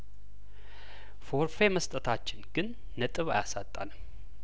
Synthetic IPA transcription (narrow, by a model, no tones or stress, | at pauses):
fo̞ɾfe̞məst̪ʼət̪ʰat͡ʃːɪnɡ̥ɨnː | ət̪ʼɨβajasat̪ʼːa̰lm